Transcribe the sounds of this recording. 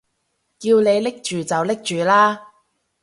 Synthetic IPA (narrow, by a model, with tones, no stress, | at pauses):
kiː˧wne˨˧jlɪ˥k̚t͡ʃyː˨t͡sɐ˨wlɪ˥k̚t͡ʃyː˨laː˥